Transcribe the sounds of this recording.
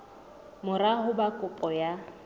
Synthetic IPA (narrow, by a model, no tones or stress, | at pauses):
mʊɾahʊbakʼʊpʼɔja